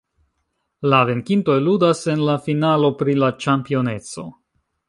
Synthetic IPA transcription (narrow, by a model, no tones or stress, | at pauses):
lave̞ŋkinto̞jludase̞nlafinalo̞pɾilat͡ʃampio̞ne̞t͡so̞̰